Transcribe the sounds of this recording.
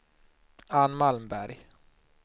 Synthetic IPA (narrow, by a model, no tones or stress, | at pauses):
anːmalmbæɾj